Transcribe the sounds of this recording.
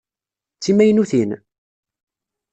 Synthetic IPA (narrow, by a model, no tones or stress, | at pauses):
t͡sːimæjnuθin